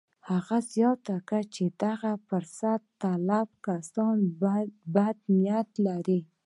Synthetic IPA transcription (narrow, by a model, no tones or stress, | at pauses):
haɣazjɑt̪akat͡ʃed̪aɣafʊɾsat̪ːalabkasɑnbad̪nɪjat̪laɾi